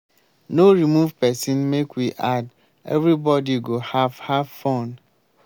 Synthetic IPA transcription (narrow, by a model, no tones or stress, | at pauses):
noɾimuvpʰɛsĩnmekwiʔad | ɛ̰vɾibɔdiɡohavhavfõn